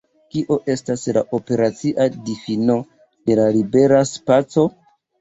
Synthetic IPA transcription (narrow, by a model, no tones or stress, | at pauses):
kiʔo̞ʔe̞staslaʔo̞pe̞ɾat͡siʔadifino̞ | de̞lalibe̞ɾaspat͡so̞